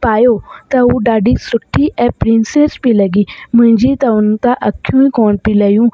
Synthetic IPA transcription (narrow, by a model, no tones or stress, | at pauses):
paːjoːt̪auːɖaːɖiːsʊʈʰːiːʔɛːpɾɪnseːspiːləɡiːmʊɲd͡ʒiːt̪aːʊnt̪ãʔəkʰːjũːĩːkɔːɳpiːləːjũː